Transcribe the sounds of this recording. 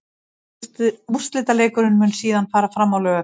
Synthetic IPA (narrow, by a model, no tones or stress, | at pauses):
t̪ust̪lɪːt̪aleːjkʏɾɪnmʏnsiːðanfaːɾafɾamːawlœːɣʏ